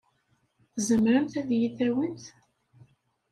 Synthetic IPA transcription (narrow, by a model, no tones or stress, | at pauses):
θzəmɾəmt̪æðjiθæwənt̪